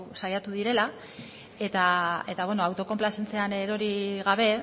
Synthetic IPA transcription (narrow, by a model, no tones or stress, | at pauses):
sajat̪uðiɾe̞la | e̞t̪ae̞t̪aβwe̞no̞awt̪o̞ko̞mplase̞nt͡se̞aneɾo̞ɾiɣaβ̞e̞